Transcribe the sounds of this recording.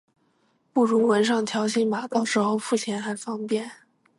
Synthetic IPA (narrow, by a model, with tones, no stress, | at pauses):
pu˥˩ɻu˧˥wə˧˥nʂ̬ɑ˥˩ŋt̪ʰjɑ˧˥ʊɕi˥ŋma˨˩t̪ɑ˥˩ʊʂɻ̩˧˥xo˥˧ʊfu˥˩t͡ɕʰjɛ˧˥nxa˧˥ɪfɑ˥ŋpjɛ˥˩n